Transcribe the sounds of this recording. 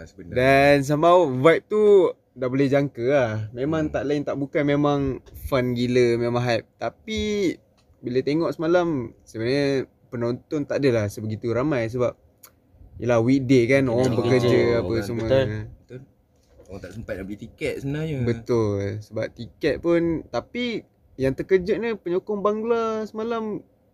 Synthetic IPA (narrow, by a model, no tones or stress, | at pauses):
səbəndans̬amavajp̚t̪u | daʔbolɛhd͡ʒaŋkəlahmemãŋt̪aʔlaɪnt̪aʔbukanmemãŋfanɡiləmemãɦap̚t̪api | bilət̪eŋɔʔsəmalamsəbəɲə | pənont̪ɔnt̪aʔdəlahsəbəɡit̪uɾamajs̬əbap̚ | jəlahwik̚dekanoaŋbəkərd͡ʒəapəsəmuabət̪ʊ | oaŋt̪aʔsəmpat̪̚nabəlit̪ikɛt̪̚səbənahɲəbət̪ʊlsəbap̚t̪ikɛt̪̚pʊnt̪api | jaŋt̪əkəd͡ʒəʔ̚ɲəpəɲokʊŋbaŋɡlasəmalam